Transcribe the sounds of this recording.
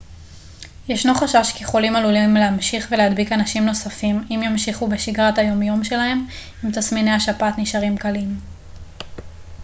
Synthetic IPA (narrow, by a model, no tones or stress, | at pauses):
jeʃno̞χaʃaʃkeχolimalulimleamʃiχve̞lehad̪bikanaʃimno̞safimimjamʃiχube̞ʃiɡʁatajo̞mjo̞mʃe̞lahe̞m | imt̪asmine̞aʃapatniʃaʁimkalim